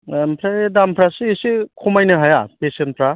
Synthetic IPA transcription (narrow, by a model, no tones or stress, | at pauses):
mpʰɾaedampʰɾasisikʰumajnɯɦajapesenpʰɾa